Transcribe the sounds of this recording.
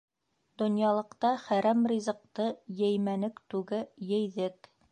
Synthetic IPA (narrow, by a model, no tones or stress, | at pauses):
d̪ŏnjɑlˠɤ̆qt̪ɑχæɾæmɾʲizɤ̆q̚t̪ɤjɘ̆jmænɘkt̪ʉɡɘjɘ̆jðɘk